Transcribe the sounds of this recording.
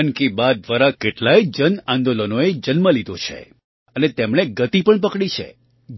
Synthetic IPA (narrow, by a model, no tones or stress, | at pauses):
nkibad̪ʋaɾakeʈlajd͡ʒənãnd̪olənoed͡ʒənməlid̪ot͡ʃʰḛ | ənet̪emɽeɡət̪ipəɳpəkɽit͡ʃʰḛ